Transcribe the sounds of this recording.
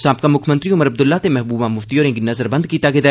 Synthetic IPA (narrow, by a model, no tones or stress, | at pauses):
saːp̚kamʊkʰmə̃nt̪ɾiʊməɾɐb̚d̪ʊlːaːt̪emɛɦbuːbãːmʊft̪iɔːɾẽːɡinɐzəɾbɐ̃nd̪̚kiːt̪aɡed̪ɛː